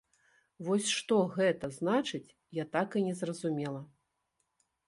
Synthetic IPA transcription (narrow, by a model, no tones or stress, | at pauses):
vɔsʲʂt̪ɔɣɛt̪ɐznat͡ʂɨt͡sʲ | jat̪akɨnʲɛzrɐzumʲɛlˠɐ